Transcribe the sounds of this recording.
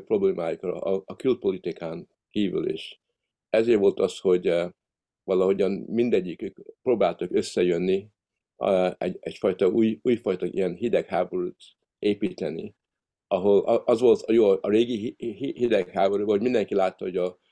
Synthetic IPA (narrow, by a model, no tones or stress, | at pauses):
pro̞bleːmaːjukr̰ːkylt̪̚po̞lit̪ikʰaːŋ | kiːvy̰lḛːʃ | ɛzeːɾʋo̞lt̪ɒsho̞ɟ | vɒlɒɦo̞ɟɒnmind̪ɛɟːikøːkproːbaːlt̪ɒkø̞sːɛjønːi | ɛ̰ɛcfɒjt̪ɒuːjuːjfɒjt̪ɒʔḭjɛnɦid̪ɛkhaːbo̞ɾuːt̪ | ʔeːpit̪ɛnḭ | ɒɦo̞lʔɒzʋo̞lt̪ɒjoːʔɒɾeːɡihhid̪ɛkhaːbo̞ɾubɒhoɟmind̪ɛŋkilaːt̪ːɒho̞ɟɒ